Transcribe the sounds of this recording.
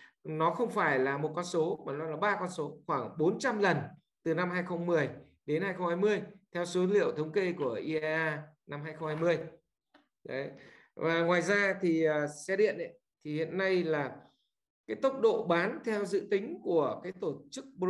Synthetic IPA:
nɔ˨˦xə˧wŋ͡mfaː˧˩jlaː˨˩mo˨˩t̚kɔ˧nso˨˦ma˨˩laː˧nlaː˨˩ɓaː˧kɔ˧nso˨˦xwaː˧˩ŋɓo˨˦nt͡ɕa˧mlə˨˩n | t̪ɨ˨˩na˧mɦaː˧jxə˧wŋ͡mmɨ˨˩əj | ɗe˨˦nhɦaː˧jxə˧wŋ͡mhaː˧jmɨ˧əjt̪ʰɛ˧wso˨˦lḭ˧˨əwt̪ʰə˨˦wŋ͡mke˧ku˧˩əʔi˧aː˧ | na˧mhaː˧jxə˧wŋ͡mhaː˧jmɨ˧əj | ɗə˨˦ | vaː˨˩ŋwaː˨˩jzaː˧t̪ʰi˨˩əː˨˩sɛ˧ɗḭ˧˨ənʔə̰˧˦ | t̪ʰi˨˩hḭ˧˨ənːa˧jlaː˨˩ | kaː˨˦jt̪ə˦˥wk͡p̚ɗo̰˧˨ɓaː˨˦nt̪ʰɛ˧wzɨ̰˧˨t̪ï˨˦ŋ̟ku˧˩əkaː˨˦jt̪o˧˩t͡ɕɨ˦˥k̚ɓ

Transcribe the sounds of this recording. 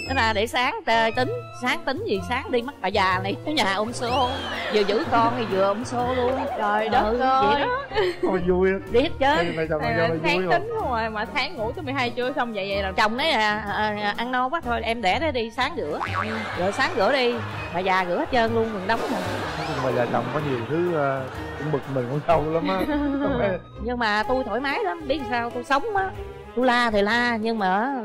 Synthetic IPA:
na˨˦laː˨˩ɗe˧˩saː˨˦ŋt̪e˧˩t̪ï˨˦ŋ̟saː˨˦ŋt̪ï˨˦ŋ̟zi˨˩saː˨˦ŋɗi˧m˦˥t̚ɓaː˨˩zaː˨˩na˨˩jkɔ˨˦ɲaː˨˩ʔo˧wŋ͡mso˨˧zɨ̰˨˧˨əzɨ̰˧˥kɔ˧nʰi˨˩zɨ̰˨˧˨əʔo˧wŋ͡mso˧lu˧ənzɔ˨˩jɔ˨˦ɨ˨o˧i˧˨˩ə˨˦ɔ˧˨zu˧ji˧˩he˦˥t̚t͡ɕe˦˧˨na˧jɔ˧˨˧aː˦˧t̪i˨˦ŋ̟hwŋ͡mɔ˨˩jma˨˩t̪ʰaː˨˦ŋŋṵ˧˩˥t̪ɨ˨˦mɨ˨˩jɦaː˧jt͡ɕu˧˩əjsə˧wŋ͡mzə̰˧˨jzə̰˧˨lɔ˨˩t͡ɕə˨˩wŋ͡mna˨˦jaː˨˩˨ʔa˧nnɔ˧waː˨˦t̪ʰo˧jʔɛ˧mɗɛ˧˩ɗə˨˦ɗi˧saː˨˦ŋɣɨ̰˧˩˥əɣə̰ː˧˨˩jsaː˨˦ŋɣɨ̰˧˥əɗi˧ | maː˨˩zaː˨˩ɣɨ̰˧˥əhə˦˥t̚t͡ɕəː˧nlu˧ənvɨ̰˨˩ŋɗə˨˦wŋ͡mmi˨˩˨ŋmaː˨˩zaː˨˩t͡ɕə̰˨˩wŋ͡mkɔ˨˦ɲi˨˩əwt̪ʰɨ˨˦ə˨˧˩ | ŋ͡mɓɨ˨˩k̚mï˨˩ŋ̟ko˧˦sa˧wɗɨ˧˦la˨˦mʔaː˨˧˦ɔ˧˩˦a˨˦˨ | ɲɨ˧ŋmaː˨˩t̪u˧jt̪ʰo̰˧˩˦jmaː˨˦jla˨˦mɓi˦˥əsaː˧wt̪u˧jsə˨˦wŋ͡maː˨˦ | t̪u˧jlaː˧t̪ʰi˨˩laː˧ɲɨ˧ŋmaː˨˩ʔ

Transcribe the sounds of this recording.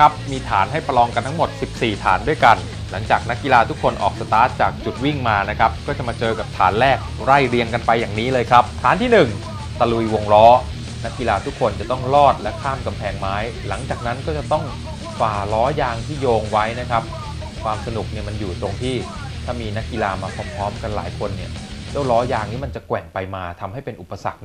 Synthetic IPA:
kʰa˦˥p̚miː˧t̪ʰaː˩˦nɦa˥˩jpa˧lɔː˧ŋka˧nt̪ʰa˥ŋmo˨˩t̪̚si˨˩p̚siː˨˩t̪ʰaː˩˦ndu˥˩jka˧n | la˩˦ŋt͡ɕaː˨˩k̚na˦˥kːi˧laː˧t̪ʰu˦˥kʰːo˧nʔɔ̰ː˨˩k̚sa˧t̪aː˦˥t̪̚t͡ɕaː˨˩k̚t͡ɕu˨˩t̪̚wi˥˩ŋmaː˧na˦˥kʰɾa˦˥p̚kɔː˥˩t͡ɕa˨˩maː˧t͡ɕɤː˧ka˨˩p̚t̪ʰa̰ː˩˦nlɛː˥˩k̚ | ɾa˥˩jɾi˧əŋka˧npa˧jːaː˨˩ŋniː˦˥lɤː˧jkʰɾa˦˥p̚t̪ʰaː˨˩˦nt̪ʰiː˥˩nɯ˨˩ŋ | t̪a˧lu˧jwo˧ŋɾɔː˦˥ | na˦˥kːi˧laː˧t̪ʰu˦˥kʰːo˧nt͡ɕa˨˩t̪ɔ˥˩ŋlɔː˥˩t̪̚lɛ˦˥kʰaː˥˩mka˧mpʰɛː˧ŋmaː˦˥j | la˩˦ŋt͡ɕaː˨˩k̚na˦˥nkɔː˥˩t͡ɕa˨˩t̪ɔ˥˩ŋ | faː˨˩lɔː˦˥jaː˧ŋt̪ʰiː˥˩joː˧ŋwa˦˥jna˦˥kʰa˦˥p̚ | kʰwaː˧msa˧nu˨˩k̚ni˥˩ɐma˧njuː˨˩t̪ɾo˧ŋt̪ʰiː˥˩t̪ʰaː˥˩miː˧na˦˥kːi˧laː˧maː˧pʰɔː˧˦˥mpʰɔː˦˥mka˧nla̰ː˩˦jkʰo˧nːi˥˩ɐt͡ɕa˥˩wlɔː˦˥jaː˧ŋniː˦˥˩ma˧nt͡ɕa˨˩kwɛ˨˩ŋpa˧jmaː˧t̪ʰa˧mɦa˥˩jpe˧nʔu˨˩pːa˧sa̰˨˩k̚

